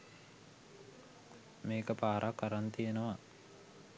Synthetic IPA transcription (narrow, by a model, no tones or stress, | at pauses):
meːkəpaːɾʔakːaɾant̪ijenəʋa